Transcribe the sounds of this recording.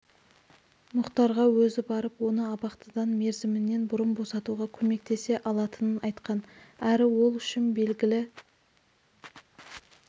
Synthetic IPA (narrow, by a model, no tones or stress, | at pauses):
mʊqt̪ɑɾʁɑwɵzɪbɑɾəpwo̞nəɑpɑqt̪əd̪ɑnme̞ɾzɪmɪnːe̞nbʊɾəmbo̞sɑt̪uʁɑkʲʰɵme̞k̚t̪ʰe̞se̞ʔɑlˠɑt̪ənənɑjt̪qɑnæɾɪwo̞lˠʏʃɪnbe̞lɡʲɪlɪ